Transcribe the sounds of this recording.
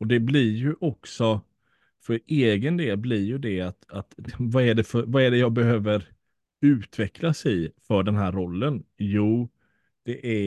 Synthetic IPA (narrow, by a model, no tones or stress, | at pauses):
ɔd̪ɛblɪɾjɵʔɔksɔ | fœɾeːɡənd̪eːlblɪɾjɵd̪ɛat̪at̪vaæɖɛfœɾvaæɖɛjɑːɡ̚bɛɦøːvəɾ | ʉ̟ːt̪vɛkʰlasɪfœɖɛnɦæːɾɾɔlːənjuː | d̪̥ɛʔæ